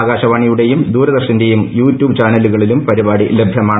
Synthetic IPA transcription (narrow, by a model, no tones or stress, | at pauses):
ɣaːɕɐʋaːɳijuɽe̞jumd̪uːɾɐd̪ɐrʂinde̞jumjuːtʲjuːbt͡ɕaːnɐluɣɐɭilumpɐɾibaːɽile̞bʱjɐmaː